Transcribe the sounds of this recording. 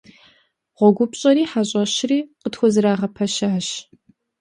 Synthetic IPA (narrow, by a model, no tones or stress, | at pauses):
ʁʷɔɡʷʊpɕʼɐɾiːħaɕʼɐɕriːqətxʷɔzɨɾaːʁɐpʰɐʃaːɕ